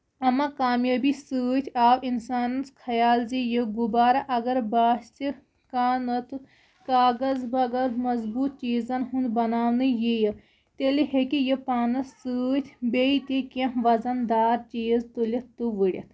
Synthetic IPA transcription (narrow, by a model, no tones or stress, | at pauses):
ɐmãkaːmjaːbisɨːt̪ʰʲaːwʔinsaːnɐnskʰɐjaːlzijəɡubaːɾaʔɐɡɐɾbaːst͡ʃi | kaːnɐt̪ɨ | kaːɡɐzbɐɡɐɾmɐzbuːt̪̚t͡ʃiːzɐnɦũnd̪bɐnaːʋnɨjejə | t̪eliɦekijəpaːnɐsːɨːt̪ʰʲbeit̪ʲekɐ̃ʋɐzɐnd̪aːɾt͡ʃiːzt̪ulʲɐt̪t̪uʋɨɽʲɐ̰t̪ʰ